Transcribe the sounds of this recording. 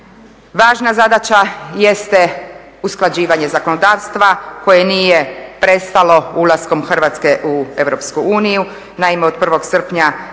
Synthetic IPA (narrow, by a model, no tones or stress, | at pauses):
ʋaːʒnazad̪at͡ɕajest̪e | usklˠad͡ʑiːʋaɲe̞zakono̞d̪aːʋst̪ʋako̞je̞niːjepɾe̞st̪alo̞ulˠasko̞mxr̩ʋat̪ske̞ʔue̞ʋɾo̞pskuuːniju | naimeod̪̚pr̩ʋo̞ɡsər̩pɲa